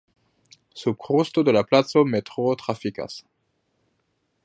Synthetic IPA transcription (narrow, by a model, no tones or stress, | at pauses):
sub̚kʁustod̪əlaplatt͡sometʁot̪χʁafika̰s